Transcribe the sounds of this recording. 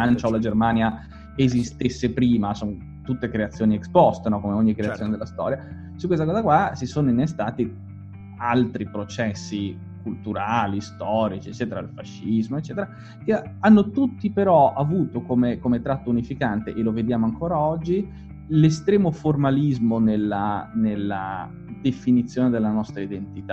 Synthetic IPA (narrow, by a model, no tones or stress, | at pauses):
ant͡ʃaolad͡ʒermaːnja | ezist̪esːepɾiːmason | t̪ut̪ːekɾeat̪sːjoːniekspɔst̪enɔkomeoɲːikɾeasjoned̪elːast̪ɔ̰ːɾja | sukːwes̬t̪akɔːzakwasisoːnoinːest̪aːt̪i | alt̪ɾipɾot͡ʃɛsːi | kult̪uɾaːlist̪ɔːɾit͡ʃiet͡ʃːɛːt̪eɾaḭlfaʃːizmoet͡ʃːɛːt̪eɾa | k̟eanːot̪ut̪ːipeɾɔavuːt̪okomekomet̪ɾat̪ːounifikant̪eʔeloved̪jaːmoaŋkoːɾaɔd͡ʒːi | lest̪ɾɛːmoformalizmonelːanelːa̰ | d̪efinit̪sːjoːned̪elːanɔst̪ɾaid̪ent̪it̪a